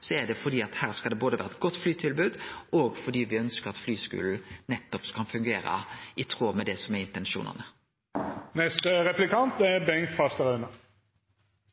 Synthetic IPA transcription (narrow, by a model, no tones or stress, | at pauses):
sɔæɖɛfɔɖ̪iːɑt̪hæːʁskɑld̪ɛboːd̪əʋæːʁəɛt̪̚ɡɔt̪ːflyːt̪ʰɪlbʉːd̪ɔɡfɔɖ̪iːʋɪœnskəɾɑt̪flyːskʉ̰ːl̩nɛt̪ːɔpskʰɑnfʉŋɡeːɾə̰ʔɪt̪ʰʁoːmɛd̪ɛsɔmæɾɪnt̪ɛnʃṵːnə̰ʁnə | nɛst̪əʁɛplɪkɑnt̪ɛbɛŋkfɑst̪əʁœnə